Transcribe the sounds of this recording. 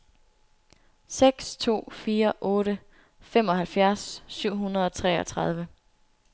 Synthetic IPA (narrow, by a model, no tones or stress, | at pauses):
seɡ̥st͡sʰo̝̰ːfiːɐʔɔ̽ːɾə | femɒ̽ɦælfjæɐsːyʊ̰ɦunɐð̞̩ˠɒ̽t͡sʰʁɛ̰ːɒ̽t͡sʰʁɑ̈ð̞ˠʋə